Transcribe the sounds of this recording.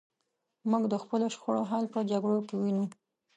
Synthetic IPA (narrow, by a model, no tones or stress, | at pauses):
muɡd̪əxpəloʃxoɽoɦɑlpəd͡ʒaɡɽokewinu